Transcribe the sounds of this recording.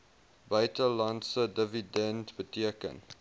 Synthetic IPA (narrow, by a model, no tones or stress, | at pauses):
bəjtəlɐntsədəvidɛntbətiəkə̰n